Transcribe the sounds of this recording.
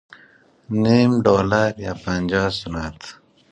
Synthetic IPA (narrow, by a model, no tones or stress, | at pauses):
nimɖoːlaɾjaːpanʲd͡ʒasunat̪